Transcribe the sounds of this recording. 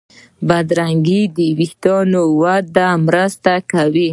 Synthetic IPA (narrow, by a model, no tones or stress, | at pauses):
bad̪ɾaŋɡid̪əwixt̪ɑnowad̪amɾəst̪akawi